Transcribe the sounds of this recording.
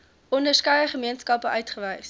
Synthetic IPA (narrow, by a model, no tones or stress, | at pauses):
ʔɔndəskɐjəχəmiənskɐpəʔœɥtχəvɛjs